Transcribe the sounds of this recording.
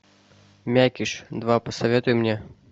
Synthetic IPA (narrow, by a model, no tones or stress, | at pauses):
mʲækʲiʂd̪vapəsavʲɛt̪ʊjmnʲɛ